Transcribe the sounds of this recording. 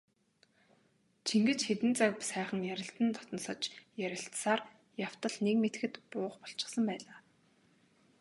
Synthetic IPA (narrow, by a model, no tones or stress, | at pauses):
t͡ɕʰiŋɡɘ̆t͡ɕxet̪ɘ̆nt͡sakpsæːχə̆ŋjæɾʲɪ̆ɬt̪ɘ̆nt̪ʰɔt̪ɞ̆nsə̆t͡ɕjæɾʲɪ̆ɬt̪saːr | jaw̥t̪ə̆ɮnekmet̪ɘ̆xɘ̆t̪pʊːχpɔɬt͡ɕɪ̥̆χsə̆mpæːɮaː